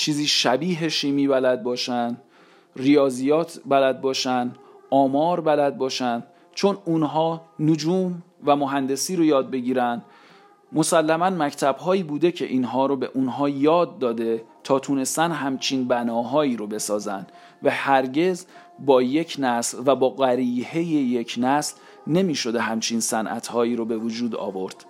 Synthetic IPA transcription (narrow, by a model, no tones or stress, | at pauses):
t͡ʃʰiːziːʃæbiːɦeʃiːmiːbælæd̪̚bɒːʃænd̪ | rijɒːzijɒːt̪ʰbælæd̪̚bɒːʃænd̪ | ʔɒːmɒːɾbælæd̪̚bɒːʃænd̪ | t͡ʃʰo̞nunɦɒːnod͡ʒuːm | væmoɦænd̪e̞siːɾojɒːd̪̚be̞ɟiːɾænd̪̥ | mo̞sælːæmænmæcʰt̪ʰæb̥ɦɒːiːbuːd̪ecʰe̞ʔiːnɦɒːɾobe̞̰ʔunɦɒːjɒːd̪ːɒːd̪e̞t̪ʰɒːt̪ʰune̞st̪ænɦæmt͡ʃʰinbænɒːɦɒːjiːɾobe̞sɒːzænd̪̥ | væhæɾɟe̞z | bɒːje̞cʰnæslvæbɒːɢæɾiːhe̞jejecʰnæsl | ne̞miːʃo̞d̪e̞ɦæmt͡ʃʰinsænʔæ̰t̪ʰhɒːjiːɾobe̞vod͡ʒuːd̪ɒ̰ːvo̞ɾd̪̥